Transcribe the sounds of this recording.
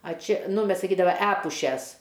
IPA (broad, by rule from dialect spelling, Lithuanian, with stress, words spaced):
ɐ ˈt͡ʃʲɛ ˈnʊ ˈmʲɛs sɐˈkʲiːdɐʋɐ ˈæːpʊʃʲɛs